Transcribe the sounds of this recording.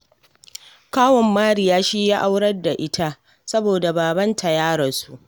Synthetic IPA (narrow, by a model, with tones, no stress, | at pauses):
kaː˦wɔ˨mːaː˦ɾi˨jaː˦ʃiː˦jaː˦ʔa˦wɽɐ˦rda˨ʔɪ˦tʰa˦ʔ | sɐ˦boː˨da˨baː˨bɐ˦ntʰa˨jaː˦ɽɐ˨su˦˨ʔ